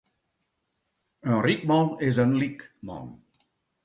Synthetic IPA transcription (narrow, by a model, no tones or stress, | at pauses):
ənrik̚mɑ̃nɪzənlikmɔ̰̃n